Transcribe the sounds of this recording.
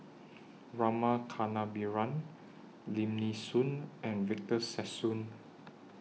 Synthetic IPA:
ɹamakʰanabiɹãn | lĩmnisũnɛ̃nvik̚təsɛsũn

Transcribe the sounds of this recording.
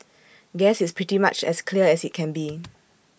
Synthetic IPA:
ɡɛsispʰɹ̥itima̰t͡ʃɛ̰skʰliəɛsit̚kʰɛ̃nbi

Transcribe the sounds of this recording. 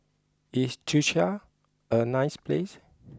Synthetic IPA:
ist͡ʃʰuʃa | ənajsples

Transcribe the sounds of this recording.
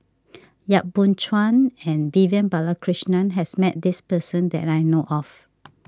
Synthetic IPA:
jaʔ̚bũnt͡ʃwãnɛ̃nbivə̃nbalakʰɹiʃnãnɦɛsmɛt̚dispəsə̃ndɛ̰tajnoʔɔf

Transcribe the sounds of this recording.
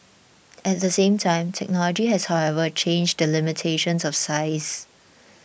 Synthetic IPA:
ɛt̚dəsẽːmtʰãɪ̃mtʰɛk̚nɔlɔd͡ʒiɦɛshaʊwɛvət͡ʃʰẽnd͡ʒdəlɪmɪtʰeʃə̃nsɔfsaɪs

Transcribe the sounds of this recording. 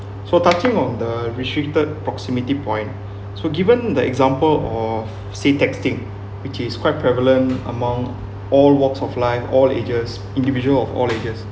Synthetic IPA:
sotat͡ʃĩŋɔ̃ndəɹistɹik̚təd̚pɹɔksimitipʰɔ̃ɪ̃n | soɡivə̃ndəɛ̰ɡzãmpəlɔf | setɛkstĩŋ | wit͡ʃiskwaɪt̚pʰɹɛvələ̃ntə̰mãŋ | ʔɔlwɔksɔflaɪfɔlḛd͡ʒəs | ĩndivid͡ʒuəlɔfɔ̰led͡ʒəs

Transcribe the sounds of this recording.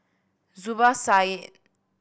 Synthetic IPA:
zubasaje

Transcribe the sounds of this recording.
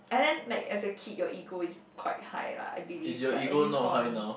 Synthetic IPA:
ɛ̃ndɛ̃nlaɪkɛsəkʰit̚jɔʔiɡoiskʰw̥a̰ɪt̚ha̰jla̰a̰ɪbilisjɔiɡonɔthaɪnaʊ

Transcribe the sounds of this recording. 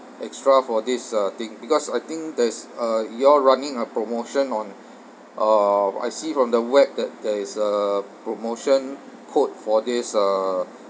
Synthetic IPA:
ʔɛkstɹafɔdisət̪ĩŋbikɔsajt̪ĩŋk̚dɛsəjɔɹanɪ̃ŋəpɹomoʃə̃nɔ̃n | ʔa̰jsifɹɔ̃mdəwɛk̚dɛt̚dɛisəpɹomoʃə̃n | kʰot̚fɔdisə

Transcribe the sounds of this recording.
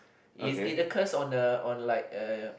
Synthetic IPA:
ʔiiəkʰəsɔ̃ndəɔ̃nlaɪk̚ə

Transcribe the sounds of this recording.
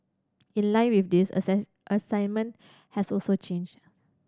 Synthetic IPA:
ĩnlãɪ̃nwifdisə̰ | ʔəsãjnmə̃n | hɛsɔlsot͡ʃẽnd͡ʒ

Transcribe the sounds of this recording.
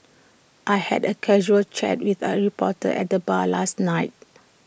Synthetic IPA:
ʔajhɛ̰dəkʰɛʒuəlt͡ʃɛ̰t̚wiθəɹipɔtə̰ʔɛ̰t̚dəbalasnaɪt̚

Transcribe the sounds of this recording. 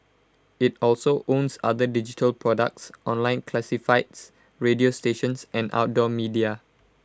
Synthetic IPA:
it̚ɔlsoʔõnsa̰dədid͡ʒitʰəlpʰɹɔdə̰k̚tsʔɔ̃nlãɪ̃nkʰlɛsifaɪts | ɹediosteʃə̃nsɛ̃nʔa̰wt̚dɔmidia

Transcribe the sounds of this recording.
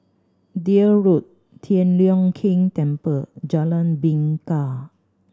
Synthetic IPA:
diəɹut̪̚ | t̪ʰiənliɔŋkʰĩŋt̪ɛmpəd͡ʒalanbiŋka

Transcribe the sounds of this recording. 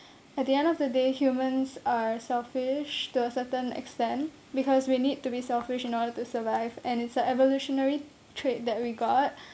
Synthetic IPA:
ɛt̚diɛ̃ndɔfdədehjumə̃nsasɛlfɪʃtuəsətə̃nɛ̰kstɛ̃nt | bikʰɔswinid̚tubisɛlfɪʃɪ̃nɔdətusəvaɪvɛ̃nɪtsəɛvɔluʃɔnəɹi | tʰɹet̚d̪ɛt̚wiɡɔt̚

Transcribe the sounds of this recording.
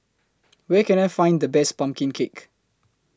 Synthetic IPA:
wɛkɛ̃najfãɪ̃ndəbɛspãmkɪ̃ŋkʰek

